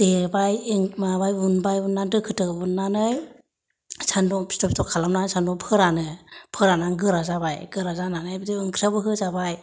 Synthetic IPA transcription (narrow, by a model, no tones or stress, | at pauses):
d̥ebajeŋmabajunbajunːandɯkʰɯtɯbɯnːanɯj | sʰandɔsi̥tɔpsitɔkʰalamnansandɔpʰɯɾanɯpʰɯɾanaŋɡɯɾazabajɡɯɾazananɯjbdiɯŋkʰɾiabɯɦɯzabaj